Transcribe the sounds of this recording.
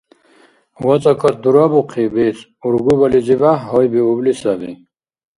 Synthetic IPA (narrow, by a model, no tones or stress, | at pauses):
wɔt͡sʼɔkʰɔt̪̚d̪uɾɔbuqʰibit͡s | uɾɡubɔlid͡zivaɦɔjbiublisavḭ